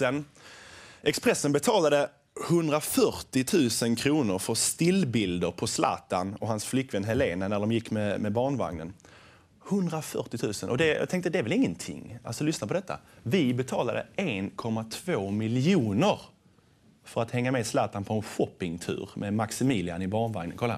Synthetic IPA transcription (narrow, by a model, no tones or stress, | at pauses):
sɛn | ʔɛkspɾɛsːənbɛt̪ʰɑːlad̪ə | hɵnd̪ɾafœɾtɪt̪ʰʉ̟ːsənkʰɾuːnəɾfœɾst̪ɪlbɪld̪əɾpʰɔslʔɑ̰ːt̪anɔɦansflʏkːvɛnɦɛleːnanæɖɔmjɪkːmɛmɛbɑːɳva̰ŋnə̰n | hɵnd̪ɾafœʈɪt̪ʰʉ̟ːsənʔɔd̪ɛjɑ̰t̪ʰɛŋkt̪əd̪ɛæɾvɛlɪŋːənt̪ʰɪ̰ŋːa̰lsɔlʏsnapʰɔd̪ɛt̪ːa̰vɪbɛt̪ʰɑːlad̪ə̰enkʰɔmːat̪ʰvoːmɪljuːnəɾ | fœɾat̪hɛŋːameːd̪slɑːt̪anpʰɔɛnɧɔpːɪŋt̪ʰʉ̟̰ːɾmɛmaksɪmiːlɪa̰nɪbɑːɳva̰ŋnənkʰalːaa̰n